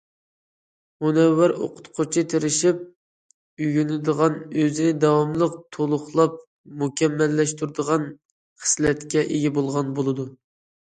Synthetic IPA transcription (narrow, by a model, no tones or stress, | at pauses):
munɛwːæɾo̰qʰʊ̥t̪qʰʊt͡ʃʰit̪ʰeɾɪʃip̚ | yɡʲynɪd̪əʁɑnøzɪnɪd̪ɑwɑmlˠəq̚t̪ʰolˠʊχlˠɑp̚ | mukʲʰɛmːɛlːɛʃt̪uɾd̪əʁɑn | χə̥slɛt̪kʲɛʔeɡʲɛbolˠʁɑnbolˠɨd̪u